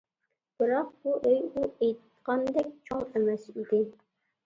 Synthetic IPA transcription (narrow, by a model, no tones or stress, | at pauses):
b̥ɨɾɑq̚buʔejuejt̪ | qɑnd̪ɛkʲt͡ʃʰoŋɛmɛsid̪ɪ